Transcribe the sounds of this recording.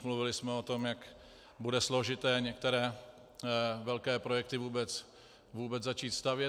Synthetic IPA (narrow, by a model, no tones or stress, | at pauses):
mluvɪlɪsmɛot̪o̞mjak | budɛslo̞ʒɪt̪ɛːɲɛk̚t̪ɛɾɛː | vɛlkɛːpɾo̞jɛk̚t̪ɪvuːbɛt͡s | vuːbɛd͡zzat͡ʃiːt̪st̪avjɛ